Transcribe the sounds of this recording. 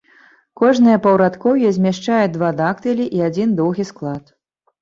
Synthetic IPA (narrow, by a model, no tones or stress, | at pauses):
kɔʐnɨjɐpɐwɾat̪kɔwjɛzʲmʲɛʂt͡ʂajɛd̪vad̪akt̪ɨlʲiʔiad͡zʲind̪ɔwɣʲisklˠat̪